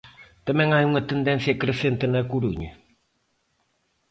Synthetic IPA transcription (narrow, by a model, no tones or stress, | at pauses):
t̪ɐmɛ̃ŋajuŋɐt̪end̪ɛ̃nθjɐkɾesent̪enɐkuɾuɲɐ